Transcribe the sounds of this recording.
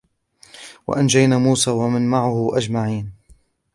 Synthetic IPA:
wa̰ʔand͡ʒajnaːmuːsaːwamɪnmaʕʊhʊʔad͡ʒmaʕiːn

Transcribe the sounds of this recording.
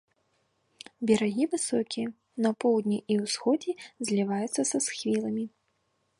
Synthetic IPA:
bʲɛɾaɣʲivɨsɔkʲiɛ | nɐpɔwd̪ʲnʲiʔiwsxɔd͡zʲizʲlʲivajut̪sːɐsɐsxvʲilˠɐmʲi

